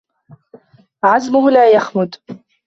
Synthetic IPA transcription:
ʕazmʊhʊlaːjaxmʊd̪

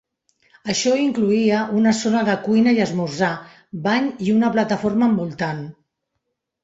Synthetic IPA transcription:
əʃɔiŋkluiəʔunəsonəðəkujnəjəzmurza | baɲiunəplət̪əforməːmbulˠt̪an

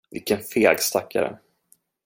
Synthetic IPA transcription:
vɪlkːənfeːɡst̪akʰːa̰ɾə̰

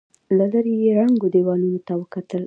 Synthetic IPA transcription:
laləɾejeɾaŋɡod̪ewɑnunot̪awəkat̪əl

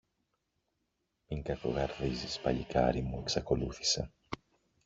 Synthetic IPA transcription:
miŋkɐkoɣɐɾðizispɐ̰ʎikʰɐ̰ɾimue̞ksɐko̞luθi̥sḛ

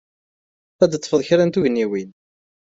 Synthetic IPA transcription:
æd̪ət̪ˤːfəðˤçɾænt̪uʝnːiwin

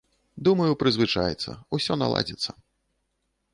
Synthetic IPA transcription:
d̪umɐjupɾɨzvɨt͡ʂajɛt̪sːɐ̰usʲɔna̰lˠa̰d͡zʲɛt̪sːɐ

